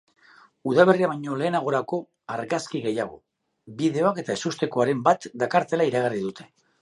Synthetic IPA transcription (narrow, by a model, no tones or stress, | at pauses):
uðaβ̞e̞riaβajɲo̞le̞ːnaɣ̞o̞ɾako̞ | aɾɣaskiɣe̞jaɣ̞o̞̰ | bið̞e̞o̞ake̞t̪aesust̪e̞ko̞aɾe̞mbat̪d̪akaɾt̪e̞laiɾaɣ̞ariðut̪ʰe̞̥